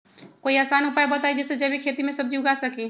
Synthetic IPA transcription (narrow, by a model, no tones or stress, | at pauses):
koːiaːsaːnʊpaːjbət̪aid͡ʒɛːsed͡ʒɛbʱikʰeːt̪imẽsɐb̚d͡ʒiʊɡasɐkiː